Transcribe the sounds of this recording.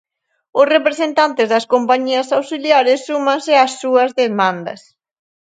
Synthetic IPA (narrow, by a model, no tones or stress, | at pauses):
ʊsrepɾesent̪ant̪ɪzðɐskompaɲiɐsawsiljaɾɪsːumãŋsɪɐsːuɐzðemãnd̪ɐ̰s